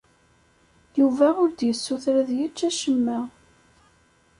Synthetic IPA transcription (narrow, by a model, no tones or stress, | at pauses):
juvæʊɾd̪jəsːuθɾæðjət͡ʃːæʃəmːæ